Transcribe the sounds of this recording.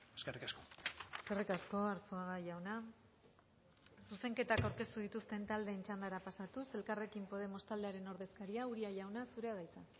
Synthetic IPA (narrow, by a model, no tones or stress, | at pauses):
eskerikaskoe̞ske̞rikasko̞aɾsoaɣaʝawna | suse̞ŋke̞t̪akawɾke̞st̪uð̞it̪ust̪e̞nt̪ald̪e̞ːnt͡ʃand̪aɾapasat̪use̞lkare̞kimpo̞ð̞e̞mo̞st̪ald̪e̞aɾe̞no̞ɾðe̞skaɾiauɾiaʝawnasuɾe̞að̞ajt͡sa